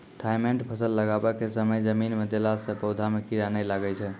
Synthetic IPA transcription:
t̪ʰajmẽɳʈpʰəsəlːəɡabɛkesəməjd͡ʒəminmed̪elasə̃pəʊd̪ʱamekiɾanəjlaɡɛt͡ʃʰɛ

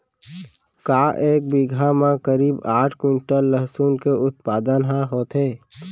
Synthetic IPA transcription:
kaːʔeːk̚biɡʱamãkəɾiːbaːʈʰkʊɳʈəɾləɦsuːnkeʊt̪̚paːd̪ənɦãɦoːt̪ɦeː

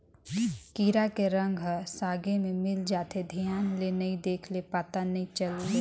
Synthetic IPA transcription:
kiːɾakeɾə̃ŋɡʱɦəɾsaːɡemẽmɪld͡ʒaːt̪ed̪ʱijaːnlenɐĩd̪eːkʰlepaːt̪anɐɦĩt͡ʃəl

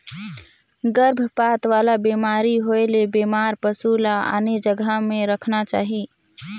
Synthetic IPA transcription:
ɡəɾbʱpat̪ʋalabemaɾiɦoelebemaɾpəsulaa̰ned͡ʒəɡʱameɾəkʰnat͡ʃa̰ːɦi

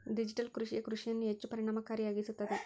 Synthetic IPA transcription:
ɖid͡ʒiʈɐlkɾuʂijɐkɾuʂijɐnːuɦet͡ʃːupɐɾiɳ̃aːmɐkaːɾjaːɡisut̪ːɐd̪e

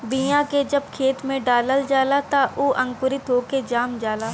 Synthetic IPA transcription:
bijãked͡ʒɐbkʰeːt̪mẽɖaːləld͡ʒaːlat̪aʔoːʔɐ̃ŋɡkʊɾɪt̪ɦoːked͡ʒaːmd͡ʒaːlaː

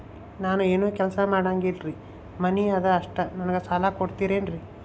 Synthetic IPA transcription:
naːnueːnuːkɛlɐsɐmaːɽaːŋɡelɾi | mɐniad̪ɐːʂʈɐnɐnɐɡesalakoɽt̪iːɾeːnɾi

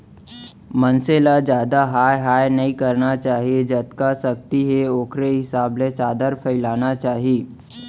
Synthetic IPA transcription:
mɐnselad͡ʒjaːd̪aɦaːjɦaːjnɐɦĩkɐɾnat͡ʃaːɦied͡ʒɐt̪kasɐk̚t̪iɦɛoːkʰɾeɦɪsaːblesaːd̪əɾpʰɐɪlaːnat͡ʃaːɦieː

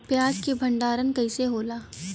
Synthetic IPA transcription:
pjaːd͡ʒkebʱɐ̃ɳɖaːɾənkɐɪseɦoːlaː

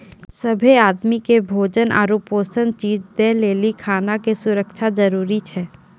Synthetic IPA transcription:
sɐbʱeaːd̪mikebʱoːd͡ʒənʔa̰ːɾupoːsənt͡ʃiːd͡ʒd̪eːleːlikʰaːnakesʊɾəkʃʰad͡ʒɐɾuːɾit͡ʃʰɛː

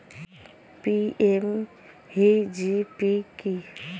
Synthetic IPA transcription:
piem | hid͡ʒipiki

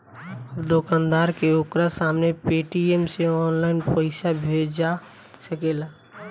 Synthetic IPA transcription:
əbd̪okãnd̪aːɾkeʊkɾasaːmnepeːʈiemseɔːnlaɪnpəɪsabʱed͡ʒd͡ʒa | səkela

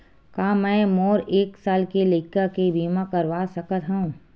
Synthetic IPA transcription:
kaːmɛ̃ːmɔːɾeːksaːlkelɪkːakebʱiːmãkɐɾʋaːsəkət̪ɦəũː

